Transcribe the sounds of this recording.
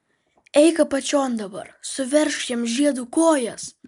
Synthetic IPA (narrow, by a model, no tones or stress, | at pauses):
ɛɪkɐpɐt͡ʃʲoːnd̪ɐbɐ̰ɾsʊʋʲɛɾʃjiɛmʒʲiɛd̪uːkoːjɛs